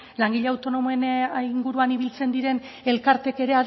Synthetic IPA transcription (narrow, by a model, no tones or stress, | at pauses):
laŋɡiʎeawt̪o̞no̞moeniŋɡuɾuaniβ̞ilt͡se̞nd̪iɾe̞n | e̞lkaɾt̪e̞ke̞ɾe̞að